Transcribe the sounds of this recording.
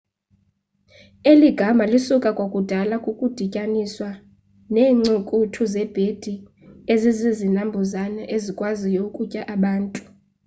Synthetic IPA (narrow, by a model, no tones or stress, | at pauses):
eliɡ̥ʱamalisukʼakʼwokʼud̥ʱalakʼukʼud̥ʱicʼaniswa | nɛːŋ͡ǀukʼutʰuzɛb̥ʱed̥ʱi | ezizizinambʱɔzanaʔezikʼwazijokʼucʼaʔaɓaːntʼu̥